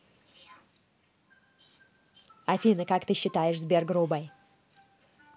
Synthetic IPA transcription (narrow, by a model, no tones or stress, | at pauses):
ɐfʲinəkakt̪ɨɕːɪt̪ajɪʂzbʲerɡɾubaj